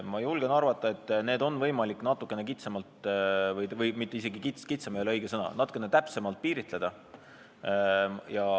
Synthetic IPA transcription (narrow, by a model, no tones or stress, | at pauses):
mɑjulɡe̞nɑrvɑt̪ːˑɑe̞t̪ːne̞ːd̪o̞nːvɤjmɑlikːnɑt̪ːˑukːˑe̞ne̞kit̪semɑlt̪vɤjvɤjmit̪ːˑe̞is̬e̞ɡikit̪skit̪sɑmeoleɤjɡ̥esɤnɑ̰nɑt̪ːˑu̥kːˑenet̪æpse̞mɑlt̪̚piːɾit̪ˑle̞d̪̥ɑ | jɑ